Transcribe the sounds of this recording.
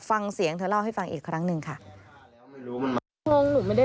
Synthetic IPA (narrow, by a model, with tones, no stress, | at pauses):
fa˧ŋsi˩˦əŋt̪ʰɯ˧˦la˥˩wha˥˩jfa˧ŋʔiː˨˩kʰɾa˦˥ŋnɯ˧ŋkʰa˥˩˦ | o˧ŋnu˨˩ma˥˩da˥˩